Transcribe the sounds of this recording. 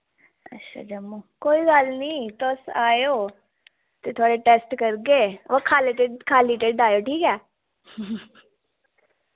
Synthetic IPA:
ə̰tːʃʰa̰ːd͡ʒəmoːkoːiːɡalnĩːt̪ʊsaːjoː | t̪eːt̪ʰʊaːɽeʈeːsʈkəɾɡeːʋəkʰːaːleʈeɖkʰaːliːʈeːɖaːjoːʈʰiːkɛː

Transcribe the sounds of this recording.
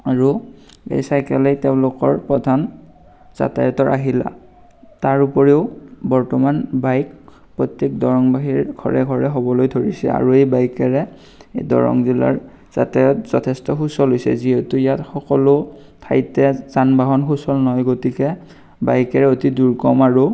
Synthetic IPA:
aɹuḛjsajkɛlɛjteʊ̃lʊkɔɹpɹɔdʱan | z̥a̰tajɔtɔɹʔaɦila̰ | taɹupɔɹeʊbɔɹtɔmanbajk | pɹɔtjek̚dɔɹɔŋbaɦiɹɡʱɔ̰ɹɛɡʱɔɹɛɦobɔlojdʱoɹisɛ̰a̰ɹuejbajkɛɹɛ | edɔ̰ɹɔ̰ŋzila̰ɹ | z̥a̰tajɔtz̥ɔtʰɛstɔxusɔlɦojsɛ̰ziɦɛtuijatxɔkɔlo | tʰa̰jtɛzanbaɦɔnxusɔlnɔɦɔjɡotikɛ | bajkɛɹɛotiduɹkɔmaɹu

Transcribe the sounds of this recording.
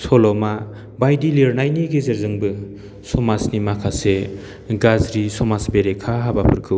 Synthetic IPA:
sɔlɔma | bajdiliɾnajniɡezeɾzɯŋbɯ | sɔmasnimakʰase | ɡazɾisɔmasbeɾekʰaɦabapʰɯɾkʰɯw

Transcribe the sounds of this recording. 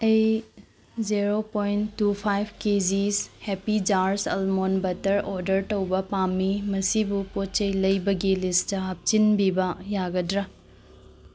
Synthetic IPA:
ej | ziɾopojntːupʰajbʰkezishepid͡ʒaɾsɐ̰lmonbɐtɐɾoɾdɐɾtɐwbɐpamːimɐsibupot͡ʃɐjlɐjbɐɡilistɐɦɐp̚t͡ʃinbibɐjaɡɐdɾɐ

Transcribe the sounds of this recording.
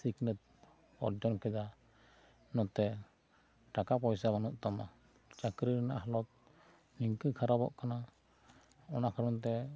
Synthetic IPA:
siknət̪̚ | ɔ̰ɾd͡ʒɔnkɛd͡ʒa | nɔt̪ɛ | ʈakapɔjsabanuʔ̪̚ˀt̪ama | t͡ʃakɾiɾnaʔɦɔlɔt̪̚ | niŋkəkʰaɾabɔ̰ʔkana | ɔnakʰaɾɔnt̪̬ɛ

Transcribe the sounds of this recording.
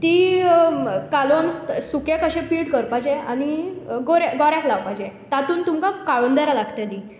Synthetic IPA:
t̪iː | kalonsukekəɕẽpiːʈkəɾpajd͡ʑeañiɡoɾaɡɔɾjãklaʋpajd͡ʑet̪at̪uːnt̪umkakaɭond̪aɾalaɡt̪ed̪i

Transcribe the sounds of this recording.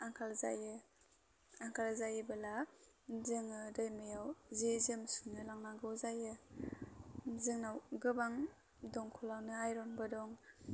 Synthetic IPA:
aŋkʰalza̰jɯ | aŋkʰalzajɯbɯlazɯŋɯdɯjmɯjawzezɯmsunɯlaŋnaɡɯwzajɯ | zɯŋnawɡɯbaŋ | dɔŋkʰɔlawnɯajɾɔnbɯdɔŋ

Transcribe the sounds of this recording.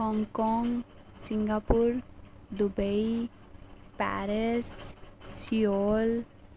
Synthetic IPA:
ɦɔŋkɔŋ | siŋɡapuɾ | d̪ubəj | pa̰ɾessiol

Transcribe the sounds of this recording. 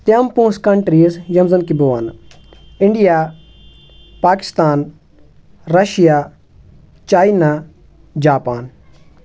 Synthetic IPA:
t̪jɐmpũːskɐɳʈɾiːsjɐmzɐnkiboːan | ɪɳɖijaː | paːkɪ̥st̪aːn | ɾɐʃija | t͡ʃaːina | d͡ʒaːpaːn

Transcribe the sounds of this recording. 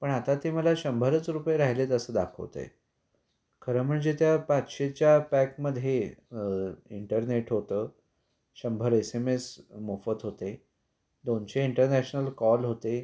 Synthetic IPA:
pəɳat̪at̪eməlaɕəmbʱəɾət͡sɾupjeɾaɦilet̪əsəːd̪akʰə̰ʋt̪ḛj | kʰəɾəm̤əɳd͡zet̪japat͡sɕet͡ɕjapækməd̪ʱje | iɳʈəɾneʈɦot̪əː | ɕəmbʱəɾesemesmofət̪ɦot̪e | d̪ont͡ɕeiɳʈəɾnæɕnəlkɔlɦot̪e

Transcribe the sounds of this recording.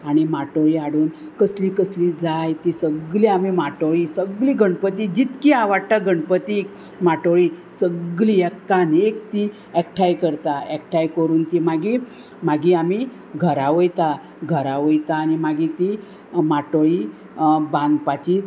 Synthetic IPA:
aɽ̃imaʈoɭiaɽuːnkəsliːkəsliːd͡zajt̪isəɡliamimaʈoɭiːsəɡliːɡʱəɳpət̪id͡ʑit̪kiaʋaɽt̪aɡʱəɳpət̪ik | maʈoɭi | səɡɡliɛkkːanek̚t̪i | ɛk̚ʈʰajkəɾt̪aɛk̚ʈʰajkəɾuːnt̪imaɡi | maɡiami | ɡʱəɾaʋəjt̪a | ɡʱəɾaʋəjt̪aːnimaɡit̪i | maʈoɭiː | bãnd̪pat͡ɕiː

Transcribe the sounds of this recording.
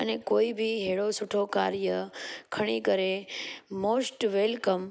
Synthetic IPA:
ənekoibʱiɦeɭosuʈʰokaɾjəkʰəɽ̃ikəɾemosʈʋelkəm

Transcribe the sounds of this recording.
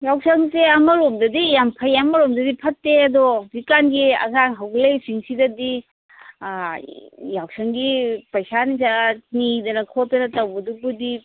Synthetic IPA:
jawsɐŋseɐmɐɾomdɐdijampʰɐjamːɐɾomdɐdipʰɐtːeɐdɔdikanɡiɐ̰ɡaŋɦawɡlesiŋsidɐdi | jaw̚sɐŋɡipɐjsanizanidɐnɐkʰɔtːɐnɐtawbɐdubudi

